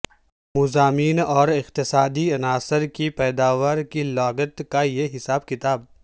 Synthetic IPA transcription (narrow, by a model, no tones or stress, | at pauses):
mʊzaːmiːnɔːɾɪqt̪ɪsaːd̪iɐnaːsəɾkipɛːd̪aːʋəɾkilaːɡət̪kajeɦɪsaːbkɪt̪aːb̚